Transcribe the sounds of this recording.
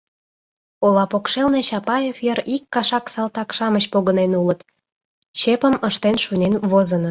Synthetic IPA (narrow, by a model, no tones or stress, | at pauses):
olɑpokʃelneɕɑpɑjefjəɾikːɑʃɑksɑlt̪ɑkʃɑməɕpoɣənenulət̪ | ɕepə̆məʃt̪enʃunʲenβozəno